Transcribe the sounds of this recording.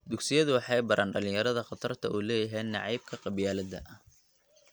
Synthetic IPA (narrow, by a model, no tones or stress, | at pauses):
d̪ʊɡsɪjɐðʊwɑħɑjbɐɾʔaːnɖɐlɪ̃jɐɾɐðɐqɑt̪ʰɐrt̪ʰɐʔuːlɛːjɐɦɛjnɑ̰ʕɑjb̚kʰɐqɑbjaːlɐd̪ɐ̰ʔɐh